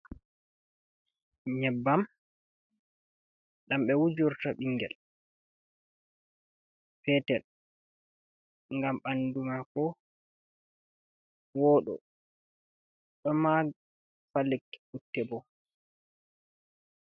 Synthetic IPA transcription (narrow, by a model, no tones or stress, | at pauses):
ɲɛbːam | ɗamɓɛwud͡ʒuɾtaɓiŋːɡɛ̰l | fɛtɛl | ŋɡamɓandumakɔ | wɔɗɔ̰ | ɗɔma | falɛkutːɛbɔ